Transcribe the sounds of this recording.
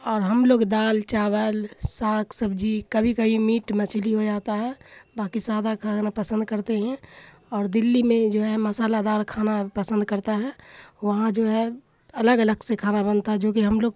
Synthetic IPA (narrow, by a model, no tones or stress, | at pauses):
ɔːɾɦəmloːɡd̪aːlt͡ʃaːʋəlsaːkʰsəbd͡ʒikəbʱikəɦimiːʈmət͡ʃʰliɦod͡ʒaːt̪aɦɛbaːkisaːd̪akʰanapəsə̃nd̪̚kəɾt̪eɦɛ̃ | ɔːɾd̪ɪlːimẽd͡ʒoːɦɛməsaːlad̪aːɾkʰaːnapəsə̃nd̪kəɾt̪aɦɛʋɐɦãd͡ʒoːɦɛ | ɐləɡələɡsekʰaːnabənt̪aɦɛd͡ʒoːkiɦəmloːɡ